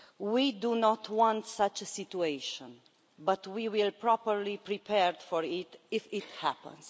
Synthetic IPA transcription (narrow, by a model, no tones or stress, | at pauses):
widunɔtʰwɔ̃ntsat͡ʃəsitueʃɔ̃n | bat̪wiwilpɹɔpəɾlipɾipʰɛɾd̪fɔɹɪt̪ɪfɪt̪hæpə̰̃ns